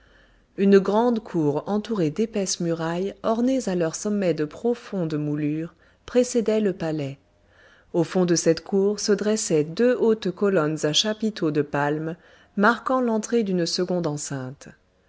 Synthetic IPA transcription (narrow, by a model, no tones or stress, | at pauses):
ynɡʁɑ̃d̪kʰuʁɑ̃t̪uʁed̪epɛsmyʁajɔʁnezalœʁsɔmːɛd̪əpχɔfɔ̃d̪mulyːʁ | pχesɛd̪ɛləpalɛ | ofɔ̃d̪əsɛt̪kʰuʁsəd̪ʁɛsɛd̪øot̪kɔlɔnzaʃapit̪ʰod̪əpalmː | aʁkɑ̃lɑ̃t̪χed̪ynsəɡɔ̃d̪ɑ̃sɛ̃t̪